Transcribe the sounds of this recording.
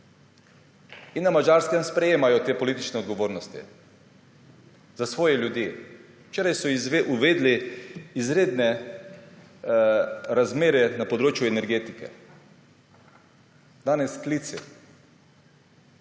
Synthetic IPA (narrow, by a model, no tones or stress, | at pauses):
inːamad͡ʒaːɾskɛmspɾɛjeːmajɔt̪eːpɔliːt̪it͡ʃnɛɔd̪ɡɔʋoːɾnɔst̪ḭ | zasʋɔːjɛljud̪je | t͡ʃeːɾajsɔʔuʋeːd̪liːzɾeːd̪nɛ | ɾazmeːɾɛnapɔd̪ɾoːt͡ʃjuɛnɛɾɡeːt̪ikɛ̰ | d̪aːnɛsklit̪sḭ